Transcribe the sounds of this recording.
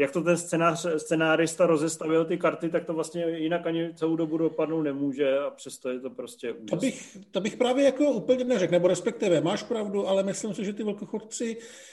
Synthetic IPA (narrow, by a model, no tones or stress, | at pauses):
jak̚t̪ot̪̬ɛnst͡sɛnaːrst͡sɛnaːɾɪst̪aɾo̞zɛst̪avɪlt̪ɪkaɾt̪ɪt̪ak̚t̪ovlast̪ɲɛjɪnakaɲɪt͡sɛlowdo̞budopadnowt̪nɛmuːʒɛapr̝̥ɛst̪ojɛt̪o̞pɾo̞scɛʔut̪obɪxt̪obɪxpɾaːvjɛjako̞ʔuːpl̩ɲɛnɛrɛknɛboɾɛspɛk̚t̪ɪvɛmaːʃpɾavduʔalɛmɪslimsɪʒɛt̪ɪvɛlkoxott͡sɪ